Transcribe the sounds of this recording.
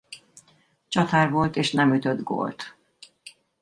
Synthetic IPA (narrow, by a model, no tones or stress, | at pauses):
t͡ʃɒt̪aːrʋo̞lt̪eːʃnɛmyt̪ød̪ɡo̰ːlt̪